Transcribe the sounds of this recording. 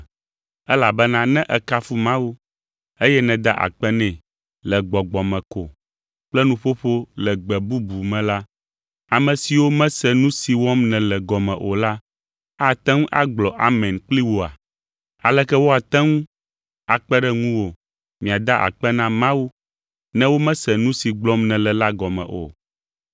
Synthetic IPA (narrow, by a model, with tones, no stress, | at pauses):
ɛ˦la˨bɛ˦nã˦nɛ̃˦ʔɛ˨ka˦fu˦mã˦wu˦ | e˦jɛ˦nɛ̃˨d̪a˦ʔa̰˨k͡pɛ˦nɛ̃˨ | lɛ˨ɡ͡bɔ˨ɡ͡bɔ˨mɛ̃˨ko˨ | k͡plɛ˦nũ˦ɸo˦ɸo˦lɛ˨ɡ͡bɛ˨bu˦bu˨mɛ̃˨la˦ | a˨mɛ̃˨si˨wo˦mɛ̃˦sɛ˨nũ˦si˨wɔ˦mnɛ̃˨lɛ˨ɡɔ˨mɛ̃˨ʔo˨la˦ | a˦t̪ɛ̃˦ŋũ˦ʔa˦ɡ͡blɔ˨ʔa˨mɛ̃˨nk͡pli˦wo˨a̰˨ | a˨lɛ˦kɛ˦wo˦a˨t̪ɛ̃˦ŋũ˦ | a˨k͡pɛ˦ɖɛ˦ŋũ˦wo˨ | mĩ˨a˨d̪a˦ʔa̰˨k͡pɛ˦nã˦mã˦wu˦ | nɛ̃˦wo˦mɛ̃˦sɛ˨nũ˦si˨ɡ͡blɔ˦mnɛ̃˨lɛ˨la˦ɡɔ˨mɛ̰̃˨ʔo̰˨